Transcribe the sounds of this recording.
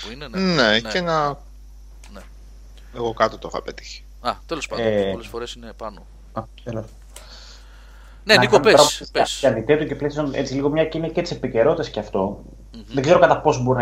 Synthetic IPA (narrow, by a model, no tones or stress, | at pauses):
inenecenɐ | ne | eɣo̞kɐt̪ot̪o̞xɐ̰pet̪i̥çi̥ | ɐt̪elosɐlfoɾesinepɐno | ɐt̪elos | nenikomeɾɐssɐnd̪it̪et̪uce̞plesione̞̰t͡siliɣo̞mɲɐciniɐcet̪i̥sepice̞ɾo̞t̪it̪esceɐft̪o̞ | ðeɡze̞ɾokɐt̪ɐpo̞s̬boɾin